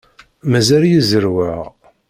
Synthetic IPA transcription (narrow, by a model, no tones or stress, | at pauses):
mæzæljizəɾwəʁ